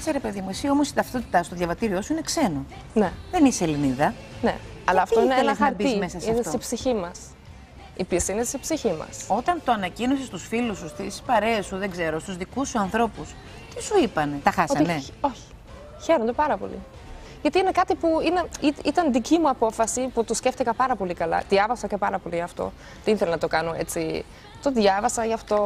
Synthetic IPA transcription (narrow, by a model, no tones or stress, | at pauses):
seɾe̞pe̞ðimuisio̞mosit̪ɐft̪o̞t̪i̥t̪ɐst̪o̞ðʝɐvɐt̪iɾiosuine̞kse̞no | neðe̞niseliniðɐ | nḛɐlɐɐft̪oiineenɐxɐɾbizime̞sɐseɐnfestoipsiçimɐs | ipist̪inesipsiçimɐ̰so̞t̪ɐnt̪o̞ɐnɐcino̞sest̪usfilusust̪ispɐɾe̞ɐsuðe̞ɡze̞ɾo̞st̪uzðikusːuɐnθɾo̞pus | t̪isuipɐnet̪ɐxɐsot̪ineo̞çi̥ | çe̞ɾond̪opɐɾɐpo̞̰lḭ | ʝɐt̪iine̞kɐt̪ipuine̞itit̪ɐnðicimuɐpo̞fɐsiput̪osceft̪ikɐpɐɾɐpo̞likɐlɐ̰ðjɐvɐsɐcepɐɾɐpo̞liʝɐft̪o̞̰ | t̪iinθelɐnɐt̪o̞kɐnoʔe̞̰t͡si | t̪o̞ðʝɐvɐsɐʝɐft̪o̞